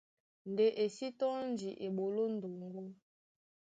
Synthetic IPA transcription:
n˨de˨ʔe˨si˦tɔ˦n˦d͡ʒi˨ʔe˨ɓo˨lo˦n̩˨do˨ŋɡo˦

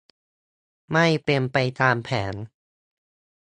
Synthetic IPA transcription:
ma˥˩jpe˧mpa˧jt̪aː˧mpʰɛː˩˦n

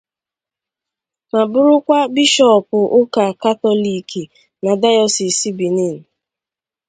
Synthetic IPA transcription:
ma˨bʊ˦ɾʊ˦kʷa˦bi˦ʃɔ˦˨pʊ˨ʔʊ˦ka˨ka˦tɔ˦li˨ki˨ | na˨da˦jɔ˨si˨si˦bi˨ni˦˨n̩˨

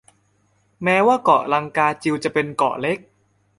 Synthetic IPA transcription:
mɛː˦˥waː˥˩kɔ˨˩la˧ŋkaː˧t͡ɕi˧wt͡ɕa˨˩pe˧nkɔ̰˨˩le˦˥k̚

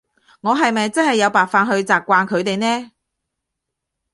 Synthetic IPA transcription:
ŋɔː˨˧ɦɐ˨jmɐ˨jt͡sɐ˥nhɐ˨jːɐ˨˧wpaː˨k̚faː˨˧nɦɵ˧ɥt͡saː˨p̚kːʷaː˧nkʰɵ˨˧ɥt̪e˨jnɛː˥

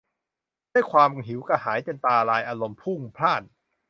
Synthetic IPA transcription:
du˥˩jkʰwaː˧mɦi˩˦wka˧˩ɦaː˩˦jt͡ɕe˧nt̪aː˧ɾaː˧jʔaː˧lo˧mpʰu˥˩ŋpʰlaː˥˩n̚

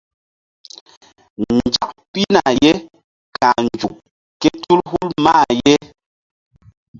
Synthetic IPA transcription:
nn̩˨d͡ʒa˨ʔpi˦na˨jɛ˦ | ka˨n˨d͡ʒu˨ʔ̚ | kɛ˦tu˦lɦu˦lma˦˨jɛ˦

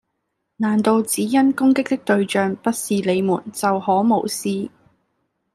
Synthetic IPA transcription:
naː˨˩nt̪o˧wt͡siː˨˥jɐ˥nkʊ˥ŋkɪ˥k̚t̪ɪ˥k̚t̪ɵ˧ɥt͡ʃœː˨˧ŋpɐ˥t̚siː˨le˨˧jmuː˨˩nt͡sɐ˨whɔː˨˥mo˨˩wsiː˧

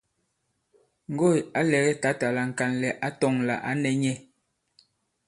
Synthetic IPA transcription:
ŋ̩˨ɡo˦˨ja˦lɛ˨ɣɛ˦ta˨˦ta˨la˨ŋ̩˨ka˨nlɛ˨ʔa˦tɔ˦˨ŋla̰˨ʔa˦nɛ˨ɲɛ˦

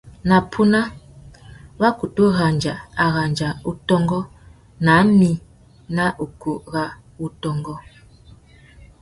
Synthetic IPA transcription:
na˨pʰu˦na˦ | wa˦ku˨tu˦ɣa˨nd͡ʒa˨a˨ɣa˨nd͡ʒa˨u˦tɔ˦ŋɡɔ˦ | na˨˦mi˦ | na˦ʔu˨ku˨ɣa˦ | u˦tɔ˦ŋɡɔ˦

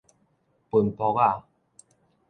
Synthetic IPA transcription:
pu˨˩npɔ˧˦ka˥˧˨

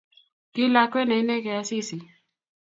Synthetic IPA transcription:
kɪ˦la˦kwɛ˦nɛ˨i˦nɛ˦kɛ˨a˦si˦si˨

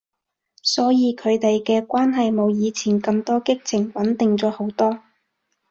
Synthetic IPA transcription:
sɔː˨˥jiː˨˧kʰɵ˨˧ɥt̪e˨jkɛː˧kʷwaː˥nɦɐ˨jmo˨˧wjiː˨˧t͡sʰiː˨˩nkɐ˧mt̪ɔː˥kɪ˥k̚t͡sʰɪ˨˩ŋwɐ˨˥nt̪ɪ˨ŋt͡sɔː˨˧˥ho˨˥wt̪ɔː˥

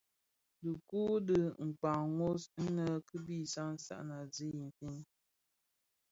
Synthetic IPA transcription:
dɨ˨ku˦də˦ŋ̩˨k͡pa˨ŋŋo˦sn̩˦nə˦kɨ˦bi˦˨sa˦n̩˦sa̰˦ʔna˨zi˦ji˨m˨fi˦n˦

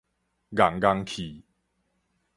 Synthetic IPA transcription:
ɡa˨˩ŋɡa˧ŋkʰi˨˩

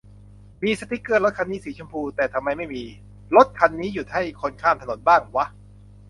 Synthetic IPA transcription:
miː˧sa˧t̪ʰi˨˦˥kɯ˥˩lo˦˥t̪̚kʰa˧nːiː˦˥siː˨˩˦t͡ɕʰo˧mpʰuː˧t̪ɛː˨˩t̪ʰa˧mːa˧jma˥˩jmiː˧ | lo˦˥t̪̚kʰa˧nːiː˦˥ju˨˩t̪̚ha˥˩jkʰo˧nkʰaː˥˩mt̪ʰno˩˦nbaː˥˩ŋwa˦˥ʔ

